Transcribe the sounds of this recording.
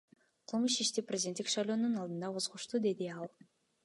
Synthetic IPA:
qʰɯlˠmɯʃiʃt̪iprʲezʲd̪ʲent̪ːikʃɑajlʲo̞ːnunɑlˠd̪ɯnd̪ɑqʰo̞zʁuʃt̪ud̪e̞d̪iɑlˠ

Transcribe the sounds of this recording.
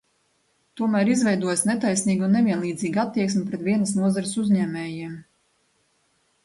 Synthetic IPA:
t̪uɔmæːɾizvɛjd̪uɔjasnet̪ajsniːɡunːevʲiɛnlˠiːd̪ziːɡat̪ːiɛksmʲɪpɾɛt̪vʲiɛnəsnuɔzaɾəsuzʲɲɛːmʲɛːjiɛm

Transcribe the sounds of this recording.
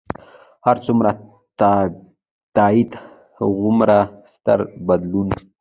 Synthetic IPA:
haɾt͡sumɾa | t̪ | t̪aid̪ | ɣʊmɾast̪a̰ɾbad̪lun

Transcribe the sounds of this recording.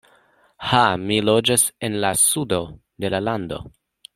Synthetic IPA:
hamilod͡ʒase̞nlasudo̞ | de̞lalando̞̰

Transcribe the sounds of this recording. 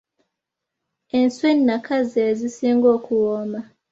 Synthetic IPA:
enswenːakʰazezisiːŋɡoːkʰuwoma

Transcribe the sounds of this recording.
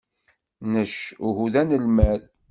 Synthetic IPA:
nəʃuhuðænəlmæð

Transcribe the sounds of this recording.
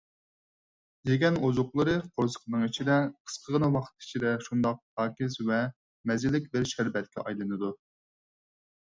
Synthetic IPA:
d̪eɡʲɛnozʊqlˠɨɾɨqʰoɾsə̥qnɨŋit͡ʃʰid̪ɛqʰə̥sqʰəʁənɨwɑχt̪̚ʰi̥t͡ʃʰid̪ɛʃund̪ɑq̚hɑːkʲɪzvɛ | mɛzɪlɪkʲbɪɾʃæɾbɛt̪̚kʲʰɛ̰ʔɑ̰jlˠɨnɨd̪u

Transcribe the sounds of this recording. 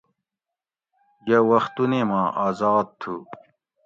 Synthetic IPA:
jɐwɐxt̪unemãːʔaːzaːd̪̚t̪ʰu

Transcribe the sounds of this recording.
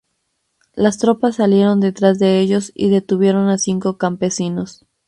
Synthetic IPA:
last̪ɾo̞pasːalje̞ɾo̞nd̪e̞t̪ɾazðe̞eʝo̞sḭðe̞t̪uβje̞ɾo̞nasiŋko̞kampe̞sino̞s

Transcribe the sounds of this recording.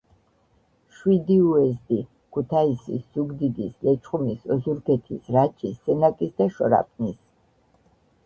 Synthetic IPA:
ʃwid̪iuɛzd̪i | kʰut̪ʰaisḭsz̥uɡd̪id̪islɛt͡ʃʰʼχʼumisɔzuɾɡɛt̪ʰisɾat͡ʃʼʰisːɛnakʼisd̪aʃɔ̰ɾa̰pʼnis

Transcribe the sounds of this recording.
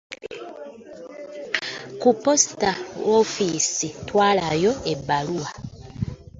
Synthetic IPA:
kupɔstaofisitwalajɔebalua

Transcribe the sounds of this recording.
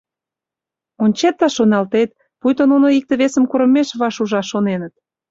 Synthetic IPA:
onʲt͡ɕet̪ːɑʃonɑlt̪et̪ | pujt̪ononoik̚t̪ə̆βesəmkuɾə̆mːeʃβɑʃuʒɑʃonenət̪̚

